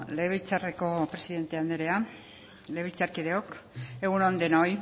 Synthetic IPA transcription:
le̞βit͡sareko̞pɾe̞siðe̞nt̪eand̪eɾe̞a | le̞βit͡saɾkið̞e̞oke̞ɣunond̪enoj

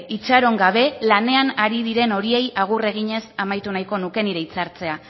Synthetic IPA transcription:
it͡ʃaɾo̞ŋɡaβ̞e̞lane̞anaɾiðiɾe̞no̞ɾie̞jaɣ̞ure̞ɣ̞iɲe̞samajt̪unajko̞nuke̞niɾeit͡saɾt͡se̞a

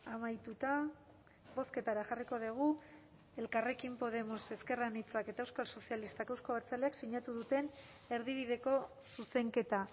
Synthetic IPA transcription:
amajt̪ut̪a | bo̞ske̞t̪aɾaxariko̞ðiɣ̞u | e̞lkare̞kimpo̞ð̞e̞mo̞se̞ske̞ranit͡sake̞t̪aewskalso̞sialist̪akewsko̞βaɾt͡saleaksiɲat̪uðut̪e̞n | e̞ɾðiβ̞ið̞e̞ko̞ | suse̞ŋke̞t̪a

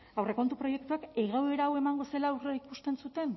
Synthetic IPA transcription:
awre̞ko̞nt̪upɾo̞je̞k̚t̪uakeɣawe̞ɾaːwe̞maŋɡo̞se̞lawreikust̪e̞nsut̪e̞n

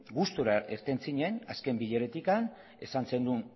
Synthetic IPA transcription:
ɡust̪uɾaʔeɾt̪e̞nt͡siɲena̰ske̞mbiʎe̞ɾet̪ikan | e̞sanse̞nd̪un

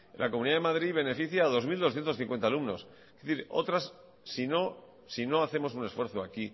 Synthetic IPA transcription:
lʔa̰k̬o̞muniðaðe̞maðɾiβene̞fiθjaːðo̞zmild̪osθje̞nt̪oθiŋkwe̞nt̪alumno̞s | keθiɾo̞̰t̪ɾasː | ino̞ | sino̞aθe̞mosunesfweɾθoaki

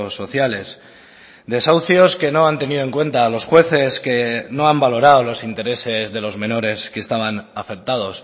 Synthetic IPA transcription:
sːo̞θjale̞s | d̪e̞sawθjo̞ske̞no̞ant̪e̞niðo̞e̞ŋkwe̞nt̪aːlo̞sxwe̞θe̞ske̞no̞ambalo̞ɾaolo̞sint̪e̞ɾe̞se̞zðe̞lo̞zmẽ̞no̞ɾe̞skest̪aβanafe̞k̚t̪að̞o̞s

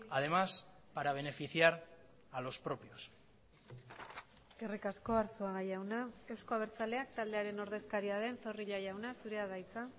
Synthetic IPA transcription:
aðe̞mas | paɾaβ̞e̞ne̞fiθjaɾ | alo̞spɾo̞pjos | ɡerikasko̞aɾsoaɣajawnae̞wsko̞aβ̞e̞ɾt͡sale̞akt̪ald̪e̞aɾe̞no̞ɾðe̞skaɾiað̞e̞nso̞riʎajawnasuɾe̞aðajt͡sa

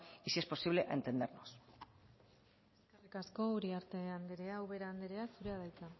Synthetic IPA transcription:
isiepo̞siβle̞ʔḛnt̪e̞nd̪eɾnos | esskarikasko̞uɾiaɾt̪e̞and̪eɾeawβe̞ɾaːnd̪eɾe̞asuɾe̞aðajt͡s̪a

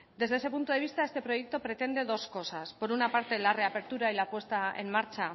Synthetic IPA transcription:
d̪e̞zðeese̞punt̪oeist̪aest̪e̞pɾo̞je̞k̚t̪o̞pɾe̞t̪e̞nd̪e̞ðo̞sko̞saspo̞ɾunapaɾt̪e̞lare̞ape̞ɾt̪uɾailapwe̞st̪aḛmmaɾt͡ʃa

